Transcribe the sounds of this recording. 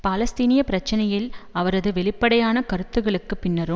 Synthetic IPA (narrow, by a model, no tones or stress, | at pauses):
paːlɐst̪iːnɪjɐpɪɾɐt͡ʃːɐnɐjɪlɐʋɐɾɐðɯʋɛɭɪpːɐɽɐjaːnɐkɐɾɯt̪ːɯɣɐɭɯkːɯpːɪnːɐɾɯ